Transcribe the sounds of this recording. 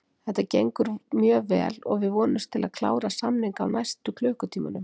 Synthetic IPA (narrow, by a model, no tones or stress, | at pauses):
θɛht̪ːacejŋkʏɾmjœːvɛ̰ːlɔ̰ɣvɪðvɔːnʏst̪ʰɪlaðkʰla̰ːwɾasamniŋka̰wnajst̪ʏkʰlœːkʏt̪ʰiːmanʏm